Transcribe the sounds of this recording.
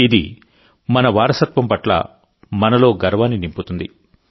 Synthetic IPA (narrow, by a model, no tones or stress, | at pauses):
id̪ḭ | mɐnɐʋaːɾɐsɐt̪ʋɐmpɐʈlɐ̰ | mɐnɐlo̞ːɡɐɾʋaːnːinimput̪und̪i